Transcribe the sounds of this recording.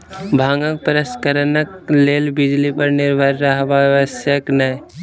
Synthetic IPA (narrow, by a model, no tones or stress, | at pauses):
bʱaːŋɡək̚pɾəskəɾnəkleːlbɪd͡ʒlipəɾnɪɾbʱaɾːaɦʋaʋəsjəknə